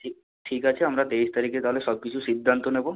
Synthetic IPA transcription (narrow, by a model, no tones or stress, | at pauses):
ʈʰi | ʈʰikat͡ɕʰeamɾat̪eist̪aɾiket̪aɦolesɔb̚kit͡ɕʰusid̪ʱːant̪onebo